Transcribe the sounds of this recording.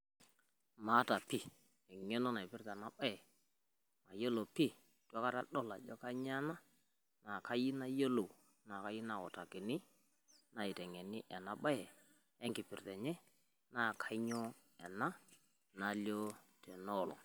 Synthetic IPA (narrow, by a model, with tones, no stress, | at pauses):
ma˨˦ta˨pɪ˦˨ | ɛ˨ŋɛ˦nɔ˦na˨ɪ˨pɪ˦rta˨na˦ɓa˦ɛ˨ | ma˨jo˦lo˨pɪ˦ | tɔ˦ka˦ta˨ɗɔ˦˨la˨d͡ʒɔ˦ka˦ɲa˦na˦ | na˨ka˦ji˦na˦jo˦lo˨ | na˨ka˦ji˦na˨ɔ˨ta˨kɪ˨nɪ˦ | na˨ɪ˨tɛ˨ŋɛ˨nɪ˦ʔɛ˨na˦ɓa˦jɛ˨ | ɛ˦ŋɡɪ˨pɪ˨rtɛ˨ɲɛ˦ | na˦˨kʰa˦ɪ˦ɲɔ˦ | ɛ˨na˦ | na˨˦ljɔ˦tʰɛ˨nɔ˦˨lɔ̰˨